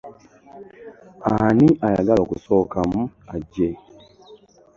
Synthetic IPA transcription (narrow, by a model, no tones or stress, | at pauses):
aniʔajaɡalokuso̞ːkamuaɟːe